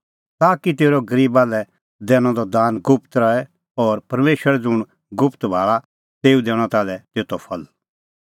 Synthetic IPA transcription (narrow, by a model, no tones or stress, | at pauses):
t̪aːkit̪eːɾɔɡɐɾiːbalɛ | d̪ɛːɽ̃ɔ̃d̪ɔd̪aːnɡʊpʰt̪ɾɐɛ | ɔːɾpɐɾmeːʃʋəɾɛd͡zʊɽ̃ | ɡʊpʰt̪bʱaːɭa | t̪eːud̪ɛːɽ̃ɔ̃t̪aːlɛt̪eːt̪ɔpʰɐl